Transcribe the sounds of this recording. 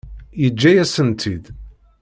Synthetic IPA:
jəd͡ʒːæjæsənt̪ʰid̪

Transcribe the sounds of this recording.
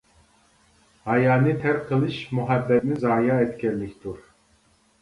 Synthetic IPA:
hajaːnit̪ʰɛɾkʰɯlˠɯʃmuɦabːɛt̪̚nizaːjaːɛt̪cʰɛlːict̪uɾ̥

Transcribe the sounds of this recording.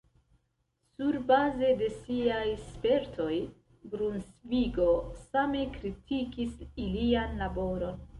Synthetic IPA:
suɾbaze̞de̞siajspe̞ɾtʰo̞j | ɡɾunsviɡo̞same̞kɾitʰikisilianlabo̞ɾo̞n

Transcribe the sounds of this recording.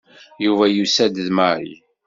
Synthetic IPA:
juvæjusæd̪əðmaɾḭ

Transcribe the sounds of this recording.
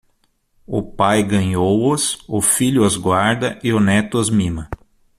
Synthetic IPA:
ʊpajɡɐ̃ɲowʊsʊfiʎʊɐzɡwaɾd̪ɐʔɪʊnɛt̪ʊɐzmĩmɐ

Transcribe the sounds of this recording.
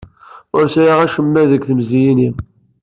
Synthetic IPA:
ʊɾsæjaʁæʃəmːæðəɡθəmzijinim

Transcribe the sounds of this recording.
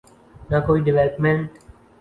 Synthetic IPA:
nakoːiɖɪʋelpmẽɳʈ

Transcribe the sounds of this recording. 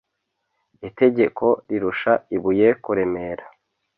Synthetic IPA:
ite̞ɟe̞kʰo̞ɾiɾuʃaiβuje̞kuɾe̞me̞ɾa

